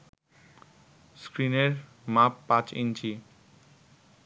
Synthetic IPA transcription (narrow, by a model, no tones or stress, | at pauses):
skɾineɾ | mapːãt͡ɕḭnt͡ɕi